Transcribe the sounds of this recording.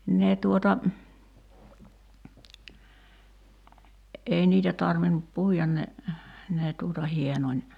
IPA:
ne tuotɑ ei niːtæ tɑrʋinup puijɑn ne neː tuːtɑ hienonʲ

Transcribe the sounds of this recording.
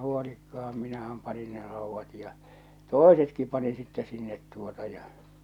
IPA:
huolikːɑɑm minæhæm pɑnin ne rɑˑuʋːɑt jɑ toˑesetki pɑnin sitːɛ sinːet tuotɑ jɑ

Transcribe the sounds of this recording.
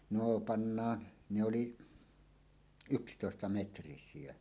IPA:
noː pɑnːɑːn ne oli ykstoˑestɑmetrisiˑe

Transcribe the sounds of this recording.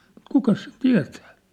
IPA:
mut kukɑs sit tiæ̝tæ̥

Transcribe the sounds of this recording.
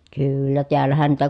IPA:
kyːylːæ teælːæhæn niːtæ

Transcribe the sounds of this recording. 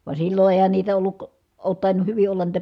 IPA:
ʋɑ silːo eˑi̯hæn niːtæ olːuk oːt tɑˑinuh hyʋi olːɑn niːtæ

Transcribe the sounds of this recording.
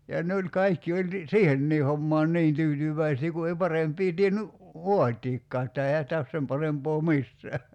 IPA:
jɑ ne o̝lʲ kɑikːi olʲ ni siːhenːiː homːɑːn ni̞in tyːtyʋˑæisiː ku ei pɑrempˑiː tienːy ʋoɑtiːkːɑː etːæ eihæ sĭtæ os sem pɑrempoː misːæː

